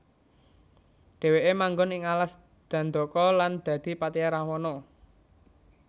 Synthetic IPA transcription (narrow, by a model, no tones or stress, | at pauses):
ɖ̥e̤weʔemaŋɡɔnɪŋalas | d̪̥ä̤nd̪ɔ̤kɔland̪̥ä̤d̪̥i̤pat̪ijaɾawɔnɔ